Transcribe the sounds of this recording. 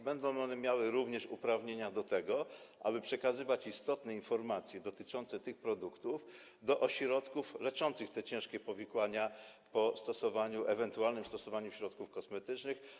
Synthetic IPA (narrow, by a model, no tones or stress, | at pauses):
bɛnd̪ɔ̃w̃ɔnɛmʲjawɘɾuvɲɛʂṵpɾavɲeɲad̪ɔt̪ɛɡɔʔa̰bɘpʂɛkazɘvat͡ɕist̪ɔt̪nɛinfɔɾmat̪sʲjɛd̪ɔt̪ɘt͡ʂɔnt̪sɛt̪ɘxpɾɔd̪ukt̪uf | d̪ɔʔɔɕɾɔt̪kuflɛt͡ʂɔnt̪sɘxt̪ɛt͡ɕɛ̃ʂkʲɛpɔvʲikwaɲa | pɔst̪ɔsɔvaɲuʔɛvɛnt̪ualnɘmst̪ɔsɔvaɲuɕɾɔt̪kufkɔsmɛt̪ɘt͡ʂnɘx